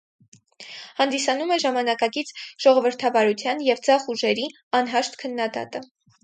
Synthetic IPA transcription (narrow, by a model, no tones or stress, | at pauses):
hɑnd̪isɑnumɛʒɑmɑnɑkɑkit͡sʰʒ̥ɔʁɔvəɾt̪ʰɑvɑɾut͡sʰjɑnjɛvd͡zɑχuʒɛɾi | ɑnɦɑʃt̪kʰənːɑd̪ɑ̰t̪ə